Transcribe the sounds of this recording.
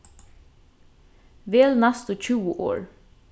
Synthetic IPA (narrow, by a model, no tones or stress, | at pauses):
ʋeːlnæst̪ʊc͡çʰʉːəʔo̰ːɹ